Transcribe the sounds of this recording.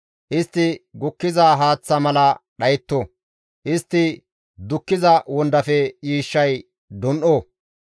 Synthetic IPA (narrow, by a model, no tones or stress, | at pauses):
ʔɪst̪ːɪɡʊkːɪzaːɦaːt͡sːɐmɐlɐɗɐjt̪ːo | ʔɪst̪ːɪ | d̪ʊkːɪzɐwɔnd̪ɐfɛt͡ʃiːʃːɐj | d̪ɔnʔoː